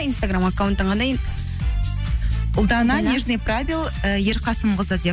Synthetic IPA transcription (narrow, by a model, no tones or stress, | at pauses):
inst̪aɡramakːawnt̪ːəɴɑnd̪ɑj | ʊlˠd̪ɑnɑnʲeʒnepravʲilˠ | əjeɾqʰɑsəmbəzəd̪e